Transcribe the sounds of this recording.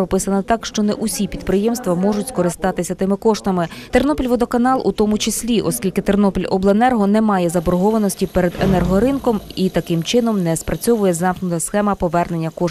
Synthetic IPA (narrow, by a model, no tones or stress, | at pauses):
ɔpɪsɐnɐt̪ɑkʃt͡ʃɔnɛʔusʲipʲid̪pɾɪjɛmst̪ʋɐmɔʐʊtʲskɔɾɪst̪ɑt̪ɪsʲɐt̪ɪmɪkɔʃt̪ɐmɪt̪ernɔpʲilʲʋɔd̪ɔkɐnɑlˠʔut̪ɔmʊt͡ʃɪsʲlʲiʔɔsʲkʲilʲkɪt̪ernɔpʲilʲɔ̰blˠɐnɛrɦɔnɛmɑjɛzɐbɔɾɦɔʋɐnɔsʲtʲipɛɾed̪enɛrɦɔɾɪnkɔmit̪ɐkɪmt͡ʃɪnɔmnɛspɾɐt͡sʲɔʋʊjɛzɑmknʊt̪ɐsxɛmɐpɔʋɛrne̞nʲːɐkɔʃ